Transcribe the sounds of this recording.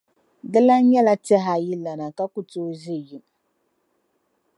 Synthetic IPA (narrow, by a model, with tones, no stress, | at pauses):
dɨ˦la˦ɲɛ˦la˦tɛ˦ɦa˨ji˦lːa˨na˨ka˦ku˨toː˦zɪ˦ji˨m